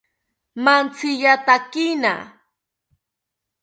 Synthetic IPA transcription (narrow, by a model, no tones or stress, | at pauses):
mant͡sɪʎat̪akɪna̰